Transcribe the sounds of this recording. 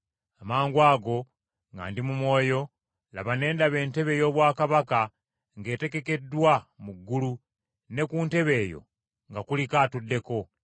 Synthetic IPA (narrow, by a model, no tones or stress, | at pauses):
amaːŋɡwaːɡo̞ | ŋɡa̰ːndimumwo̞ːjo̞ | la̰βane̞ːndaβe̞ːnte̞βe̞ːjo̞ːβwaːkaβaka | ŋɡe̞ːte̞ke̞ke̞dwamuɡːulu | ne̞kuːnte̞βe̞ːjo̞̰ | ŋɡakulikatudːe̞ko̞